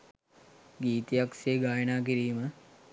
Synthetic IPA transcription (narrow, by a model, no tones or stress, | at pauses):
ɡiːt̪ijakseɡaːjənaːk̬iɾiːmə